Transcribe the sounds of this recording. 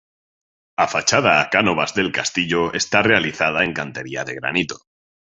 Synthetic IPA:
afat͡ʃað̞aːkano̞βazðe̞lkast̪iʎoe̞st̪are̞aliθaðae̞ŋkant̪e̞ɾiaðe̞ɣɾa̰nit̪o̞̥

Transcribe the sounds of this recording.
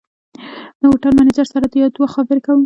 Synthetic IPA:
ləwoʈaɾmanad͡ʒaɾsaɾad̪əjɑd̪waxxabɪɾekawəm

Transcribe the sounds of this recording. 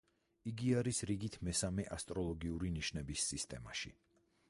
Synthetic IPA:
iɡiaɾisɾiɡit̪ʰmɛsamɛʔast̪ʼɾɔlˠɔɡiuɾiniʃnɛbisːist̪ʼɛ̰ma̰ʃḭ

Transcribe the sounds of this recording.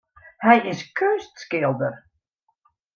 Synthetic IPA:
hɛjɪskʰøːstskɪlˠdər

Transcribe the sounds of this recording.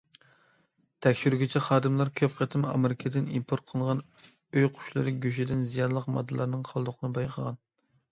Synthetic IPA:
t̪ʰɛkʲʃyɾyɡʲɪt͡ʃʰɛχɑːd̪ɨmlˠɑɾkʲʰøpχət̪ʰɪmɑ̰mɪɾɪkʰɪd̪ɪnimpʰoɾt̪̚qʰəlˠʁɑn | øjqʰʊ̥ʃlˠɨɾɨɡʲyʃ̬id̪ɪnzijɑnlˠəqmɑ̰d̪ːɨlˠɑɾnɨŋqʰɑlˠd̪ʊqʰənɨbɑjqʰəʁɑn

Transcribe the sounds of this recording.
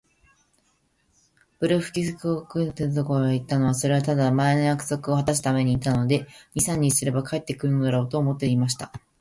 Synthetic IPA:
b̥ɯ̟ɾɯɸɯ̟̥kʲisɨkɯokɯ̟t̪et̪o̞ko̞ɾoɡit̪ːano̞βaso̞ɾe̞βat̪ad̪amae̞nojakɯ̥so̞kɯ̟o̞hat̪as̬ɨ̥t̪ame̞ɲ̟iːt̪ano̞d̪e̞ɲ̟isãɲ̟ːisɨɾe̞bakae̞t̪ːe̞kɯɾɯ̟nod̪aɾo̞ːt̪o̞ːmo̞t̪ːeimaɕ̬i̥t̪a

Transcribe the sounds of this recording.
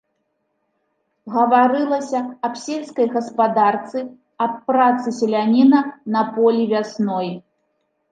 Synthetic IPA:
ɣɐvaɾɨlˠɐsʲɐɐpsʲelʲskɐjɣɐspad̪art̪sɨ | ɐpːɾat̪sɨsʲɛlʲanʲinɐnɐpɔlʲivʲasnɔj

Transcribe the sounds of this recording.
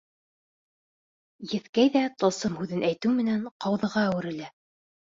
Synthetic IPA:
jɘ̆θkæjðæt̪ɤ̆sɤmhʉðɘnʔæjt̪ɘwmɘ̆næɴqɑwðɤ̆ʁɑːwɘ̆ɾɘ̆læ

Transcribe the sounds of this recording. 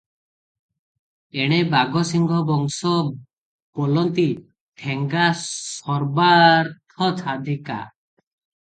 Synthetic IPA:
eɽ̃ebaɡɔsiŋɡʱɔbɔŋsɔ | b̥ɔlɔnt̪i | ʈʰeŋɡasɔɾbaɾt̪ʰɔt͡ʃʰad̪ʱika̰

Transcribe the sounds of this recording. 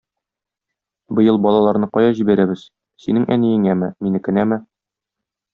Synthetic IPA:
bɤ̆jɤlˠbɒlˠɑlˠɑɾnɤqɒjɑʑibæɾæbɘz̥ | sinɘŋʔæ̰nijɘŋæmɘminɘkɘ̆næmɘ

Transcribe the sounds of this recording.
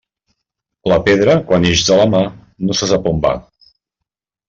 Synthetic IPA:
ləpeðɾəkwaneʒzələma | nosəzapomba̰

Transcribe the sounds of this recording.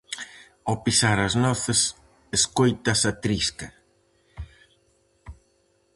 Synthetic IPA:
opisaɾɐznɔθɪs | eskojt̪ɐsɐt̪ɾiskɐ

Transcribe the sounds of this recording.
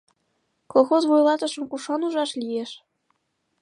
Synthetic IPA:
kolˠxozβojlˠɑt̪ɤ̆ʃɤ̆mkuʃɑnuʒɑʃlijeʃ

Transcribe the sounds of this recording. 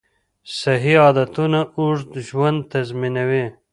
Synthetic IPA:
sɐɦiɑːd̪ɐt̪unauʐt̪ʒwɐnd̪̚t̪ɐzminɐwe

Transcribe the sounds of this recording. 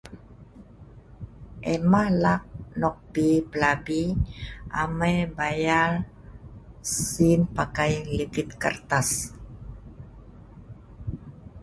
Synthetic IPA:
ʔɛmahlak̚nɔk̚pipəlabiʔa̰majbajal | sinpakajlit̪ɪt̪kərt̪as

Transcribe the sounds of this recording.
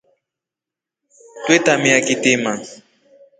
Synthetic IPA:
t̪wɪt̪amɪakɪt̪ɪmaŋ

